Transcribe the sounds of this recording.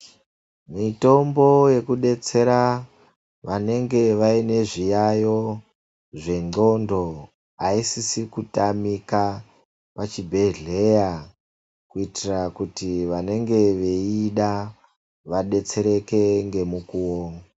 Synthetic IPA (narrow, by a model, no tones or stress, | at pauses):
mito̞mbo̞je̞kuɗe̞t͡se̞ɾa | ʋane̞ŋɡe̞ʋaine̞ʐijajo̞ | ʐe̞ŋ͡ǃo̞ndo̞ | aisisikutamika | pat͡ʃibʱe̞ɮe̞ja | kuitirakutiʋane̞ŋɡe̞ʋe̞iɗa | ʋaɗe̞t͡se̞ɾe̞ke̞ŋɡe̞mukuwoːŋa